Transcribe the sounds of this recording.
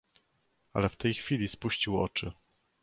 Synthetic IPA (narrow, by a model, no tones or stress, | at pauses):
a̰lɛft̪ɛjxfʲilʲispuɕt͡ɕiwɔ̰t͡ʂɘ